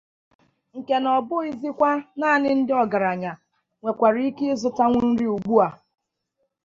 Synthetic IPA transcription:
ŋ̩˨ke˨nɔ˨bʊ˦i˦zi˦kʷa˦naː˦˨nɪ˦n̩˦dɪ˦ɔ˨ɡa˨ɾa˨ɲa˨ | ŋʷe˨kʷa˨ɾi˦i˦ke˦zʊ˨ta˦ŋʷʊ˦n̩˦ɾi˦u˨ɡ͡bu˦a˨

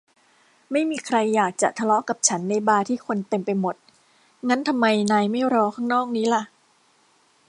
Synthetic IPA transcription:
ma˥˩jmiː˧kʰɾa˧jːaː˨˩k̚t͡ɕa̰˨˩ʔt̪ʰa˧lɔ˦˥ʔka˨˩p̚t͡ɕʰa˦˥nːa˧jbaː˧t̪ʰiː˥˩kʰo˧nt̪e˧mpa˧jmo˨˩t̪̚ | ŋa˦˥nt̪ʰa˧mːa˧jnaː˧jma˥˩jɾɔː˧kʰaː˥˩ŋnɔː˥˩k̚niː˦˥la˧˩ʔ

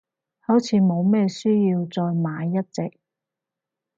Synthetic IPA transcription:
hɐ˨˥wt͡sʰiː˨˥mo˨˧wmɛː˥syː˥jiː˧wt͡sɔː˧jmaː˨˧jːɐ˥t̚t͡sɪ̰˨k̚

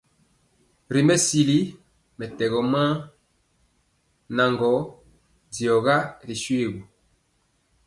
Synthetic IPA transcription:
ɾi˨mbɛ˦si˨li˦ | mɛ˨tɛ˨ɣɔ˨mã˦ | na˨ŋɡɔ˨˦ | d͡zi˨ɔ˨ɣa˦ɾi˨ʃwe˦˨ɣu˨

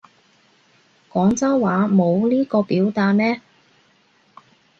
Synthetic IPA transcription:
kɔː˨˥ŋt͡sɐ˥wwaː˨˥mo˨˧wliː˥kɔː˧piː˨˥wt̪aː˧t̚mɛː˥

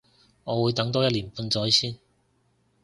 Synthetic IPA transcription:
ŋɔː˨˧wuː˨˧jt̪ɐ˨˥ŋt̪ɔː˥jɐ˥t̚liː˨˩npuː˨˧nt͡sɔː˨˥jsiː˥˩n

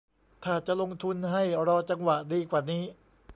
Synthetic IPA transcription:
t̪ʰaː˥˩t͡ɕa˨˩ʔlo˧ŋt̪ʰu˧nɦa˥˩jɾɔː˧t͡ɕa˧ŋwa˨˩diː˧kwaː˨˩niː˦˥

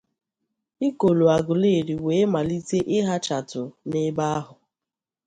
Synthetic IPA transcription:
ɪ˦ko˨lo˨a˨ɡʊ˨le˦˨ɾi˨we˨˦ma˨li˦te˦ʔɪ˦ɦa˦t͡ʃa˨tʊ˨nɪ˦ba˦a˦ɦʊ˨

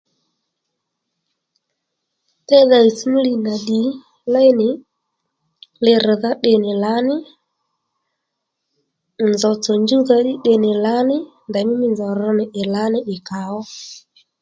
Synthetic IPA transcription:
tɛ˦ða˨i˨smu˦li˨na˨ɗi˨ | la˦jnɪ˨ | lɪ˧ɾɪ˨ða˦ɗɪ˨nɪ˨la˨˦nɪ˦ | nd͡zɔ˨t͡sɔ˨nd͡ʒu˦ða˦ɗɪ˦ɗe˨nɪ˨la˨˦nɪ˦ | nda˨mɪ˦mɪ˨nzɔ˨ɾɔ˦nɪ˨ʔɪ˨la˨˦nɪ˦ɗɪ˨ka˨ɔ˦

